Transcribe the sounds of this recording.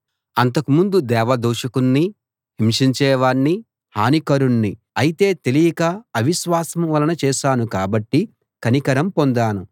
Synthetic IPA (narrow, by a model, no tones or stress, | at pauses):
ɐnt̪ɐkumund̪ud̪ɛːʋɐd̪uːʂɐkunːi | ɦimʂiɲt͡ʃɛːʋaːɳːi | haːnikɐɾunːi | ɐjit̪e̞ːt̪e̞lijɐɡaːɐʋiʃʋaːsɐmʋɐlɐnɐt͡ʃɛːʃaːnukaːbɐʈːi | kɐnikɐɾɐmpo̞nd̪aːnu